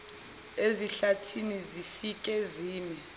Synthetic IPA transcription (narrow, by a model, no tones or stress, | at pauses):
eziɬatʰinizifik̬ʼɛziːmɛ